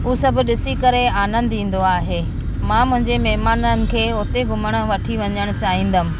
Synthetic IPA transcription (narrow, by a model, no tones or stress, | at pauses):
uːsɐbʱʊ̆ɗɪsikɐɾeaːnə̃nd̪ĩːn̆d̪oaːɦeː | mãːmʊ̃ɦɪ̃ɲd͡ʑemɛɦmaːnənɪ̆kʰeːoːt̪eɡʱʊməɽ̃ə̆ʋɐʈʰiʋɐɲəɽ̃ʊt͡ɕaːɦĩːnd̪əmɪ̆